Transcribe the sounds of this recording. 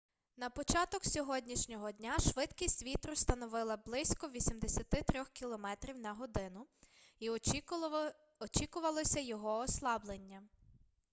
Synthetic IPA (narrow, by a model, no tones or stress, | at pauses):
nɐpɔt͡ʃɑt̪ɔksʲɔɦɔdʲnʲiʃnʲɔɦɔdʲnʲaʃʋɪd̪kʲisʲtʲʋʲit̪ɾʊst̪ɐnɔʋɪlˠɐblˠɪsʲkɔʋʲisʲimd̪esʲɐt̪ɪt̪ɾʲɔxkʲilˠɔmɛt̪ɾʲiwnɐɦɔd̪ɪnʊi | ɔt͡ʃikʊʋɐlˠɔsʲɐjɔɦɔːslˠɑblˠenʲːɐ